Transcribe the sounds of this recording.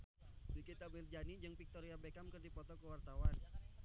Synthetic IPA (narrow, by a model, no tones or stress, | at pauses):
bikit̪amird͡ʒanid͡ʒɨŋpik̚t̪ɔɾiabekamkərdipɔt̪ɔkəwart̪awan